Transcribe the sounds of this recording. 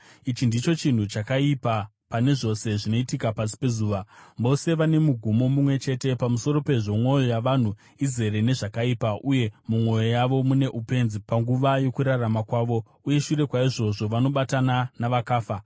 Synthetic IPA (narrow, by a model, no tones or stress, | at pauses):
it͡ʃindit͡ʃo̞t͡ʃin̤ut͡ʃakaipa | pane̞ʐo̞se̞ʐino̞itikapas̬i̥pe̞zuːʋaʋo̞se̞ʋane̞muɡʱumo̞mumwe̞t͡ʃe̞te̞pamuso̞ɾo̞pe̞ʐo̞mwo̞jo̞jaʋan̤u | ize̞ɾe̞ne̞ʐakaipaʔuje̞mumwo̞jo̞jaʋo̞mune̞ʔupe̞nzipaŋɡuʋajo̞kuɾaramakwaːʋo̞ | uje̞ʃuɾe̞kwaiʐo̞ʐo̞ʋano̞ɓatananaʋakaːfa